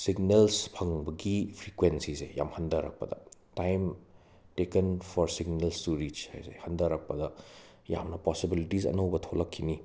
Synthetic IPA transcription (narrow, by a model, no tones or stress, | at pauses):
siɡnelspʰɐŋbɐɡipʰɾikwensisḛja̰mhɐndɐɾɐ̰k̚pɐ̰dɐ̰tajm | tekenpʰɔɾsiɡnelstuɾid͡ʒha̰jsḛhɐndɐɾɐk̚pɐdɐ | ja̰mnɐpɔsibilitisɐ̰nɐwbɐtʰolɐkʰːini